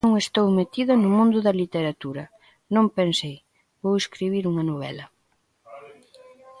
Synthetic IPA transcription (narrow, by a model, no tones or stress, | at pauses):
ŋest̪owmet̪iðɐnʊmũnd̪ʊðɐlit̪eɾat̪uɾɐ | nõŋpensej | βoweskɾiβiɾuŋɐnoβ̞ɛ̰lɐ